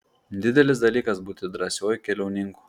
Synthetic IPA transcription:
d̪ʲɪd̪ʲɛlʲɪs̬d̪ɐlʲiːkɐsbuːt̪ʲɪd̪ɾɐsʲoːjʊkʲɛlʲɛʊnʲɪŋku̥ː

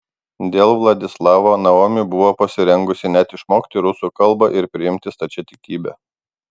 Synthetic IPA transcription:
d̪ʲeːlˠʋlˠɐd̪ʲɪslˠɑːʋoːnɐoːmʲɪbʊʋoːpɐsʲɪɾʲɛŋɡʊsʲɪnʲɛt̪ɪʃmoːkʲt̪ʲɪɾʊsuːˑkɐlˠˑbɐʔɪɾpʲɾʲɪɪmʲt̪ʲɪst̪ɐt͡ʃʲɛt̪ʲɪkʲiːbʲɛ̰

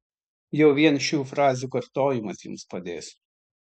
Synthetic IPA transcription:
jɛʊʋʲiɛnʃʲuːfɾɑːzʲuːkɐɾt̪oːjɪmɐsjʊ̰mspɐd̪ʲeːs

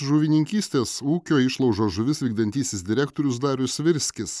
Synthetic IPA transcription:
ʒʊʋʲɪnʲɪŋʲkʲiːsʲt̪ʲeːsuːkʲoːɪʃlˠɐʊʒoːʒʊʋʲɪsʋʲiːɡd̪ɐnʲt̪ʲiːsʲɪsd̪ʲɪɾʲæːkt̪oɔːɾʲʊs̬d̪ɑːɾʲʊsʋʲɪɾʲsʲkʲɪs

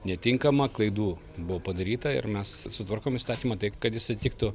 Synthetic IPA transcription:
nʲɛt̪ʲɪŋkɐmɐklˠɐɪd̪uː | bʊʋoːpɐd̪ɐɾʲiːt̪ɐɪ̰rmʲɛssʊt̪ʋɐrkoːmist̪ɑːt̪ʲiːmɐt̪ɐɪpkɐt̪jɪsɐɪt̪ʲɪkt̪ʊ

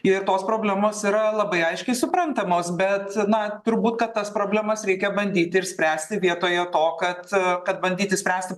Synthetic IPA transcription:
ɪɾt̪oːspɾoːbʲlʲæmoːsiɾɐlˠɐbɐɪɐɪʃʲkʲɛɪsʊpɾɐnt̪ɐmoːsbʲɛt̪nɐt̪ʊɾbuːt̪kɐt̪ːɐspɾoːbʲlʲæmɐsɾʲɛɪkʲɛbɐnʲd̪ʲiːt̪ʲɪɪɾsʲpʲɾʲæːsʲt̪ʲɪʋʲiɛt̪oːjɛt̪oːkɐt̪kɐt̪̚bɐnʲd̪ʲiːt̪ʲɪsʲpʲɾʲæːsʲt̪ʲɪ

